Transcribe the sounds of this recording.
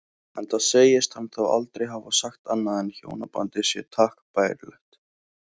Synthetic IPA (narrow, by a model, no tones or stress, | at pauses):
ɛnθaðseːjɪst̪hanθaða̰lt̪ɾejɦavasaxt̪anːaðɛnçjo̰ːwnapa̰nt̪ɪsjɛt̪ʰaːhkpaːjɾlɛ̰ht̪